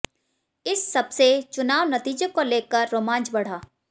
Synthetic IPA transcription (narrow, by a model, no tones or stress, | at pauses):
ɪsːɐbset͡ʃʊnaːʋnɐt̪iːd͡ʒəkoleːkəɾːoːmãːnt͡ʃbɐɽ̤aː